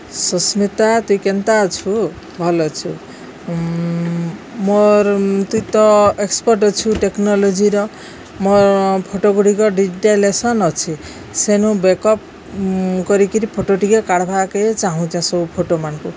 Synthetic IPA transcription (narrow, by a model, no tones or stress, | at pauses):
sɔsmit̪at̪uikent̪aɔt͡ʃʰu | bʱɔlɔt͡ʃʰu | moɾt̪uĩt̪ɔekspɔɾʈɔt͡ʃʰuʈeknɔlod͡ʒiɾɔ | moɾpʰoʈoɡuɽikɔɖiʈelesɔnɔt͡ʃʰi | senũbekɔp̚ | kɔɾikiɾipʰoʈoʈikekaɽbʱaket͡ʃaɦũtãsɔbupʰoʈomanɔ̃ku